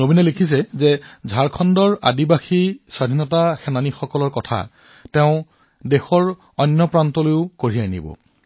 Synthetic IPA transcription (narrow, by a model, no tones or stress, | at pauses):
nobinɛlekʰis̬ɛzɛzʱaɹkʰɔndɔɹa̰dibaxisadʱinɔtaxɛnanixɔkɔlɔɹkɔtʰa̰ | tɛʊ̃ | dɛxɔɹ | ɔnːjɔpɹantɔlojʊkoɹianḭbɔ̰